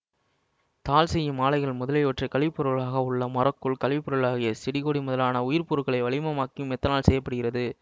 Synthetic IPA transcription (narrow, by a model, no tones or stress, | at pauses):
t̪aːlsɛjːɐmaːlɐɪɣɐɭmʊðɐlɐɪɔʈrɐkɐɭɪpːɔɾɯɭaːɣɐʊɭːɐmɐɾɐkːɯɭkɐɭɪpːɔɾɯɭaːɣɪjɐsɪɽɪɣoːɽimʊðɐlaːnɐʊjɪɾpuːɾɯɣɐɭɐɪʋɐɭɪmɐmaːkːɪjɯmɛt̪ːɐnaːlsɛjːɐpːɐɽɯɣɪɾrɐðɯ